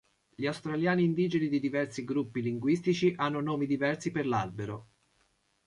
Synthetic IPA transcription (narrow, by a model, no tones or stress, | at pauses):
ʎiawst̪ɾaljaːniːnd̪iːd͡ʒenid̪id̪ivɛrsiɡɾupːiliŋɡwist̪it͡ʃiʔanːonoːmid̪ivɛrsiperlalbeɾo